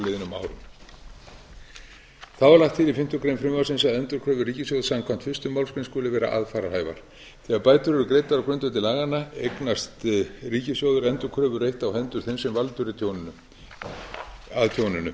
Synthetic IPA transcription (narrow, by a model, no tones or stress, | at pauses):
leðɪnʏma̰ːwɾʏm | θawvaɾlaht̪θiːðɪfɪm̥t̪ʏkɾejmfɾɪmvasɪnsaðɛnt̪ʏɾkʰɾœːvʏriːcɪsjowðsamkʰvam̥t̪fʏst̪ʏmːawlskɾɪnskoːlɪvɛːɾa̰ʔa̰ðfaːɾaɾhaːjva̰ɾ̥ | θɛːɣaɾpaːjt̪ʏɾɛɾʏkɾejt̪aɾawkɾʏnt̪ʏt̪ɪlaːɣanːaḛjknast̪riːcɪsjowðʏɾɛnt̪ʏɾkʰɾœːvʏrejht̪awhɛnt̪ʏɾ̥θejnsɛmvalt̪ʏɾɪt̪ʰow | aðt̪ʰjownʏnʏ̰